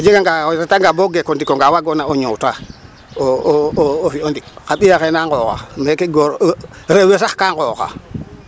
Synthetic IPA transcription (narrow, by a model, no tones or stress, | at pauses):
od͡ʒeɡaŋɡaɾetaŋɡaboɡekondikoŋɡawaɡonaoɲowta | o | ofiondikkaɓijakenaŋkoka̰mekeɡoɾ | ɾewesaxkaŋkoːka̰